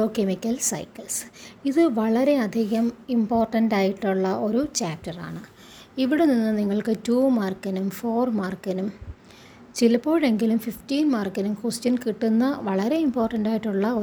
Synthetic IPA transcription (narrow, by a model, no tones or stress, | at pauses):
oːkemikʲːɐlsɐ̰jkːɐlsiðɨʋɐɭɐɾe̞ɐd̪ʱiɣɐmimpo̞ːrʈːɐndaːjiʈːuɭːɐo̞ɾut͡ɕaːp̚tɐra̰ːɳɨ | iʋiɽeninːɨniŋːɐɭkɨtuːmaːrkːɐnumfo̞ːrmaːrkɐnum | t͡ɕilɐpːo̞ːɻe̞ŋɡilumfiftiːnmaːrkːɐnumkustɐnkiʈːunːɐʋɐɭɐɾe̞impo̞ːrʈɐndaːjiʈːuɭːɐo